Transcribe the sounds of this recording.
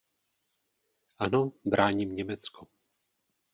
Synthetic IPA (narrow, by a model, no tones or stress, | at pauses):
ʔanobɾʔaːɲimɲɛmɛt͡skʰo